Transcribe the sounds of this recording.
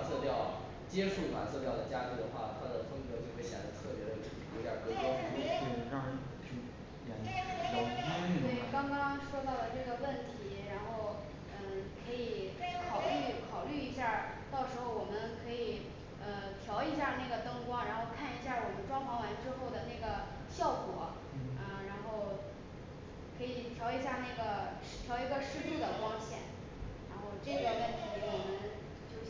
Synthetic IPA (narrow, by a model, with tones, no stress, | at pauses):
t͡sʰɤ˥˧t̪jɑ˥˩ʊ | t͡ɕjɛ˥ʂu˥˩ma̰˧˩t͡sʰɤ˥˧p̪jɑ˥˩ʊd̪ə˩t͡ɕja˥t͡ɕi˧˥d̪ə˨˩xwa̰˥˩t̪ʰa˥d̪ə˨fɤ˥ŋkɤ˧˥t͡ɕjo˥˧ʊxwe˥˩ɪɕjɛ̰˨˩d̪ə˧˥t̪ʰɤ˥˩pjɛ˧˥ɾə˧˩˨kwɔ˧˥˩ja̰˥˧˩ka˥˧˥ | we˥˩ɪkɑ˥ŋkɑ˥ŋʂwɔ˥t̪ɑ˥˩ʊlə˩ʈ͡ʂɤ˥˩ɡə˩wə˥˩nt̪ʰi˧˥ɻa˧˥nxo˥˩ʊ | ə˥˧˩kʰɤ˧˥i˨˩˦kʰɑ˨˩ʊly˥˩˧kʰɑ˨˩ʊly˥˩i˧˥ɕja˥˩t̪ɑ˥˩ʊʂɻ̩˧˥xo˥˩ʊwɔ˨˩mə˦nkʰɤ˧˥i˨˩ | ə˧t̪ʰjɑ˧˥ʊi˧˥ɕja˥˧na˥˩ɡə˩t̪ɤ˥ŋkwɑ˥ŋɻa˧˥nxo˥˧ʊkʰa˥˩ni˧˥ɕja˥˩wɔ˨˩mə˦nʈ͡ʂwɑ˥ŋfɑ˧˥ŋwa˧˥nʈ͡ʂɻ̩˥xo˥˩ʊd̪ə˩na˥˩ɡə˩ | ɕjɑ˥˩ʊkwɔ˨˧˥ | ə˧ɻa˧˥nxo˥˧ʊ | kʰɤ˧˥i˨˩t̪ʰjɑ˧˥ʊi˧˥ɕja˥˧na˥˩ɡə˩˥˩ | t̪ʰjɑ˧˥ʊi˧˥ɡə˧ʂɻ̩˥˧t̪u˥˩d̪ə˩kwɑ˥ŋɕjɛ̰˥˩n | ɻa˧˥nxo˥˧ʊʈ͡ʂɤ˥˩ɡə˩wə˥˩nt̪ʰi˧˥wɔ˨˩mə˦n | t͡ɕjo˥˧ʊ